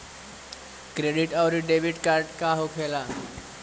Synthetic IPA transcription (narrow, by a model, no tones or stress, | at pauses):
kɾeɖiʈawɾiɖeʋiɖkaɾʈkaɦokʰela